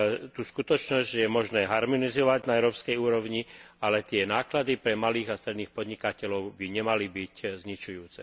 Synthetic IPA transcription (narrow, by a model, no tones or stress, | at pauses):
t̪uːskut̪ɔt͡ʃnɔzɟjɛmɔʒnɛːɦaɾmɔnizɔʋaɟnaɛʊɾɔːpskɛjuːɾɔʊɲialɛt̪ɪɛnaːklad̪ipɾɛmaliːɣast̪ɾɛd̪niːxpɔd̪ɲikacɛlɔʊbiɲɛmalibiczɲit͡ʃujuːt͡sɛ